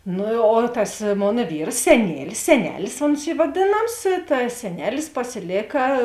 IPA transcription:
ˈnʊ oː tɐs ˈmoːnɐ ˈʋʲiːrs sʲɛˈnʲiɛlʲɪs sʲɛˈnʲæːlʲɪs oːns ˈiː ʋɐˈdʲeːnɐms tɐ sʲɛˈnʲæːlʲɪs pɐsʲɪˈlʲeːkɐ

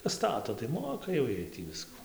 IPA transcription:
ˈstɑːtoː tɐɪ ˈmoːkɐ jɛʊ ˈjiɛj tʲiː ˈʋʲɪskʊ

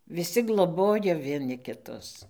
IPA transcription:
ʋʲɪˈsʲɪ ɡlˠoːˈboːjoː ʋʲiɛˈnʲɪ kʲɪˈtʊs

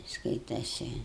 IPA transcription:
ˈskɐɪtɐsʲɪ

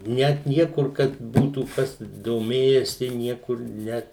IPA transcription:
ˈnʲɛt ˈnʲiɛkʊr kɐt ˈbuːtuː ˈkɐs doːˈmʲeːjɛsʲɪ ˈnʲiɛkʊr ˈnʲɛt

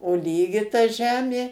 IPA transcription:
oː ˈlʲiːɡʲɪ tɐ ˈʒʲæːmʲeː

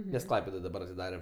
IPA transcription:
nʲɛs ˈklˠɐɪpʲɛdoːj dɐˈbɐr ɐtʲɪˈdɑːrʲɛ

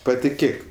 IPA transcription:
pɐtʲɪˈkʲeːk

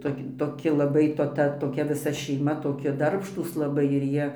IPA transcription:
ˈtoːkʲ toːˈkʲɪ lˠɐˈbɐɪ toː ˈtɐ toːˈkʲɛ ʋʲɪˈsɐ ʃʲɛɪˈmɐ toːˈkʲɪ ˈdɐrpʃtuːs lˠɐˈbɐɪ ɪr ˈjiɛ

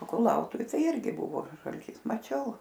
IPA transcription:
oː kʊˈlˠɐʊtʊʋʲɪ ˈtɐɪ ˈɪrʲɡʲɪ ˈbʊʋoː ʒɐlʲˈtʲiːs mɐˈt͡ʃʲɛʊ

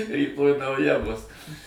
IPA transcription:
rʲiːˈtoːj nɐʊˈjɛ bʊs

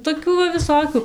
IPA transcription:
toːˈkʲuː ʋɐ ʋʲɪˈsoːkʲʊ

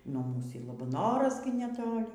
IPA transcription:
nuɔ ˈmuːs iː lˠɐbɐˈnoːrɐs ɡʲɪ nʲɛˈtoːlʲɪ

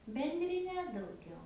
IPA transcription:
bʲɛnʲdʲrʲɪˈnʲɛ dɐʊˈɡʲɛʊ

